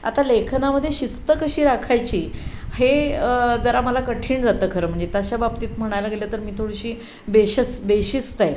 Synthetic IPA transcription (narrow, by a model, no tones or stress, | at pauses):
a̰t̪alekʰnaməd̪ʱːjeɕist̪əkəɕiːɾakʰajt͡ɕiːhed͡zəɾaməlakəʈʰiːɳd͡zat̪əːkʰəɾəːm̤əɳd͡zet̪aɕababt̪iːt̪m̤əɽ̃ajlaɡlat̪əɾmiːt̪ʰoɽɕiː | beɕəsbeɕist̪aj